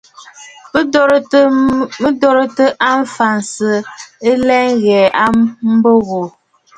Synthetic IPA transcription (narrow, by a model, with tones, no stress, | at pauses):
mə˦dɔ˦ɾə˦tə˦ʔa˦ɱ˦fa˨n˨sə˨ə˦lɛ˦ŋ˦ɣɛː˨a˦mm̩˦bo˦ɣo˨